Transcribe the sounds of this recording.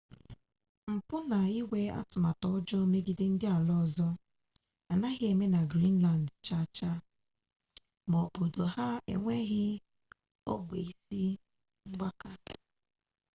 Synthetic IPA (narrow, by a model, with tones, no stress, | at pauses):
m̩˨pʊ˦na˨i˦we˦a̰˦tʊ˨ma˨tɔ˨˦ɔ˦d͡ʒɔ˦o˦me˦ɡɪ˦dɪ˦n̩˦dɪ˦a˨lɔ˦˨zɔ˦ | a˨na˦ɣɪ˦e˨me˦na˨ɡɾi˦n˦la˨n˨dt͡ʃa˦˨t͡ʃa˦ | mo˨bo˨do˨ha˦ḛ˨ŋʷe˦ɣɪ˦ | o̰˦ɡ͡be˨i˨si˦ | ŋ͡m̩˦ɡ͡ba˦ka˦